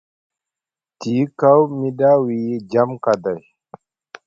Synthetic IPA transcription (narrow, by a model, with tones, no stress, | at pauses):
t̪iː˨˦ka˦wmi˦ɗa˦wid͡ʒamkad̪a˨j